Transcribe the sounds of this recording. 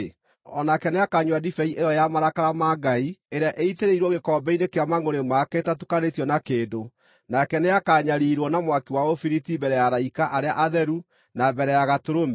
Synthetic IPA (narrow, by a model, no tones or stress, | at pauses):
ɔnakɛneakaɲwadifɛiʔejɔjamaɾakaɾamaɡaieɾeaʔeiteɾeiɾwɔɣekɔːbɛinekeamaŋoɾemakɛtatukanetiɔnakeːdo | nakɛneakaɲaɾiɾwɔnamwakiwaofiɾitibɛɾɛjaɾaikaʔaɾea̰ʔaðɛɾu | nabɛɾɛjaɣatoɾomɛ